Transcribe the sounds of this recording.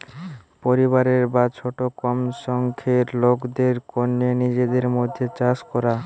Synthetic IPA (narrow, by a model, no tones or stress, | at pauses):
poɾiβaɾeɾbat͡ɕʰoʈokɔmʃɔŋkʰeɾlokd̪eɾkonːenid͡ʑed̪eɾmod̪ʱːet͡ɕaskɔɾa